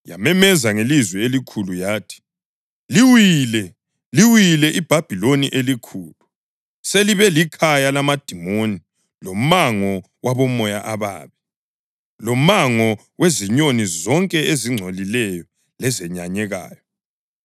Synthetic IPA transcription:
ja̰mɛmɛzaŋelizwɛelikʰulujaːtʰi̥ | liwilɛ | liwilɛʔib̥ʱab̥ʱiloniʔelikʰuːlu | seliβɛlikʰajalamad̥ʱimoni | lom̩maŋɔ | wʔaβɔmɔjaʔaβa̰ːβi | lomaŋɔ | weziɲonizɔŋkʼɛeziŋ͡ǀʱolilɛjɔ | lɛzɛɲaɲɛɣa̰ːjɔ

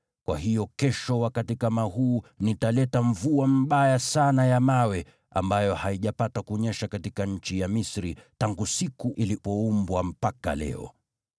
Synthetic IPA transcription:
kwa̰ɦijɔkɛʃɔwakatikamahuːnitalɛtaɱvuam̩ɓajasanajamawɛ | a̰mbajɔhaiʄapatakuɲɛʃakatikaɲ̩t͡ʃijamisɾitaŋɡusikuʔilipɔumbwam̩paka̰lɛ̰ɔ̰

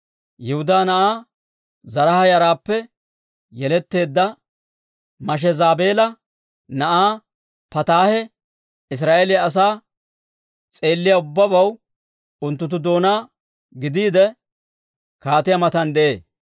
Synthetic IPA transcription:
jɛhʊd̪aːnɐʔaː | zɐɾɐhɐjɐɾaːpːɛ | jɛlɛt̪ːe̞ːd̪ːɐ | mɐʃ̬ɛzaːbe̞ːlɐ | nɐʔaː | pɐt̪aːhɛ | ɪs̬ɾaːʔeːlɪjɐːs̬aː | t͡sʼe̞ːlːɪjaʊbːɐbɐw | ʊnt̪ːʊt̪̬ːʊd̪o̞ːnaː | ɡɪd̪iːd̪ɛ | kaːt̪ɪjɐmɐt̪ɐnd̪ɛʔḛː

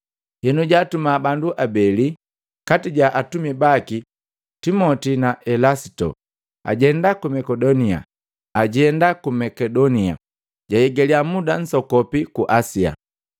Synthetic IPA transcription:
hɛnuɟaːtumabanduʔabɛli | katiɟaʔatumibaki | timɔtinaʔɛlasi̥tɔ̰ | a̰ɟɛndakumɛkɛdɔnia̰ | aɟɛndakumɛkɛdɔnia̰ | ɟajɛɡɛliamudan̩sɔkɔpikuʔasia̰

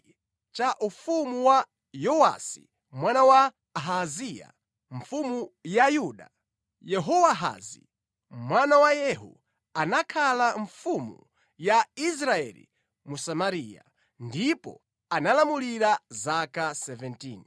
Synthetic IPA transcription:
t͡ʃaʔufumuwa | jɔwa̰sḭ | mwanawa | ɦazija̰ | ɱfumujajuɗa | jɛɦɔwaɦa̰zi | mwanawajɛɦṵ | anakʰalaɱfumṵ | jais̬ɾaɛ̰lḭ | musamaɾiːja̰ | ndipɔ̰ | analamuliɾazakasɛvɛntiːn

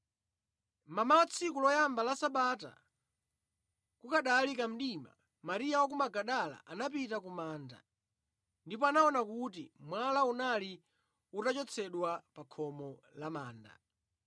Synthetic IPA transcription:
mamawat͡sʰikulɔjambalasaɓata̰ | kukaɗaːlikam̩ɗima̰ | maɾijawak̬umaɡaɗala̰ʔanap̬itakumaːnda̰ | ndipɔanaɔnakutimwalaunali | utat͡ʃɔt͡sʰɛɗwapakʰɔmɔlamaːnda̰

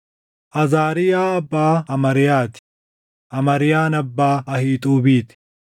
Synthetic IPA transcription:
ʔɐzaːɾɪjaːɐbːaːɐmɐɾɪjaːt̪ɪ̥ | ʔɐmɐɾɪjaːnɐbːaːɐhiːt̪ʼuːbiːt̪ɪ̥

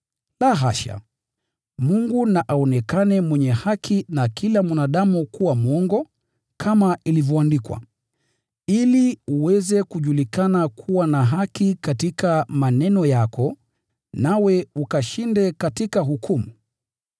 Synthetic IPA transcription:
laɦaʃa̰ | muŋɡunaʔaɔnɛkanɛmwɛɲɛhakʰinakʰilamwanaɗamukuwamuɔŋɡɔ | kʰamailivjɔandikwa̰ | iliuwɛzɛkuʄulikanakʰuwanaɦakikatikamanɛnɔjakʰɔ | nawɛukaʃindɛkatikaɦukʰumu

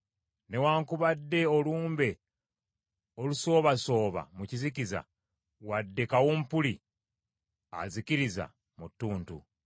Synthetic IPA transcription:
ne̞waːŋkuβadːe̞oluːmbe̞ | oluso̞ːβaso̞ːβa̰mucizikiza̰ | wadːe̞kawompuli | a̰ziciɾiza̰ | mutːuːntu

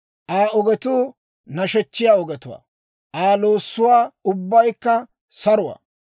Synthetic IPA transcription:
ʔaːɔɡɛt̪uː | nɐʃɛt͡ʃːɪjaːɔɡɛt̪ʊwa̰ː | ʔaːloːsːʊwaːʊbːɐjkːɐ | sɐɾʊwa̰ː

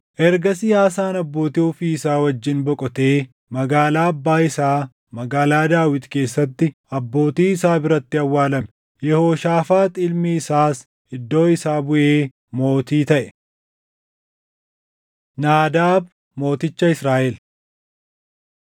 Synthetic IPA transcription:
ʔɛɾɡɐsɪjaːs̬aːnɐbːo̞ːt̪iʊfiːɪsaːwɐd͡ʒːɪnbɔkʼɔt̪e̞ː | mɐɡaːlaːɐbːaːɪsaː | mɐɡaːlaːd̪aːwɪt̪ke̞ːsːɐt̪ːɪ | ɐbːo̞ːt̪iːɪsaːbɪɾɐt̪ːɪɐwːaːlɐmɛ̥ | jɛhoːʃaːfaːt̪ʼɪlmiːɪsaːs | ɪd̪ːo̞ːɪsaːbʊʔe̞ː | mo̞ːt̪iːt̪ɐʔɛ̥ | naːd̪aːb | mo̞ːt̪ɪt͡ʃːɐɪsɾaːʔɛl

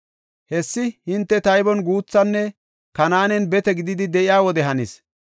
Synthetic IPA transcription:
hɛsːɪhɪnt̪ːɛt̪ɐjbɔnɡuːt͡sːɐnːɛ | kɐnaːnɛnbɛt̪ɛɡɪd̪ɪd̪ɪd̪ɛʔɪjaːwɔd̪ɛɦɐnḭːs

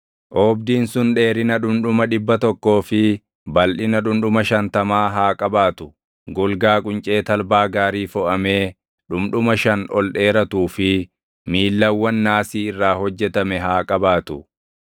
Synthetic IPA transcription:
ʔɔːbd̪iːnsʊnᶑe̞ːɾɪnɐᶑʊmᶑʊmɐᶑɪbːɐt̪ɔkːo̞ːfɪ | bɐlʔɪnɐᶑʊmᶑʊmɐʃɐnt̪ɐmaːɦaːkʼɐbaːt̪ʊ | ɡʊlɡaːkʼʊnt͡ʃʼe̞ːt̪ɐlbaːɡaːɾiːfɔʔɐme̞ː | ᶑʊmᶑʊmɐʃɐnɔlɗe̞ːɾɐt̪uːfɪ | miːlːɐwːɐnːaːsiːɪrːaːhɔd͡ʒːɛt̪ɐmɛɦaːkʼɐbaːt̪ʊ

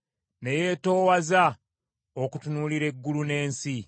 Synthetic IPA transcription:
neje̞ːto̞ːwaza | okutunuːliɾe̞ɡːulune̞ːnsi

